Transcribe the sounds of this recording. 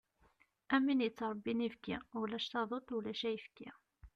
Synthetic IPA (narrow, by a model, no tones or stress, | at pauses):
æminjət͡sːɾˤbːinivkiwlæʃt̪ɑðˤot̪ˤːwlæʃæjəfkːi